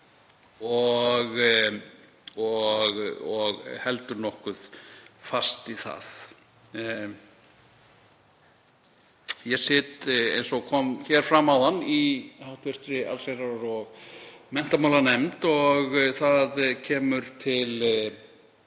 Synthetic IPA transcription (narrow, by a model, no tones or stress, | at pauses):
ɔɣ | ɔɣɔɣhɛlt̪ʏɾnɔhkʏðfast̪iθa̰ð̥ | jɛsɪːt̪ḛjnsɔɣkʰɔmçɛɾ̥fɾamawðanːihawht̪vɛst̪ɾɪa̰lseɾaɾaɾɔɣmɛn̥t̪amawlanɛmt̪ɔɣθaðcʰɛːmʏɾt̪ʰɪl